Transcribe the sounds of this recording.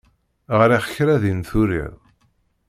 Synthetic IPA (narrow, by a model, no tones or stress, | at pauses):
ʁɾiχəçɾæðinθuɾḭð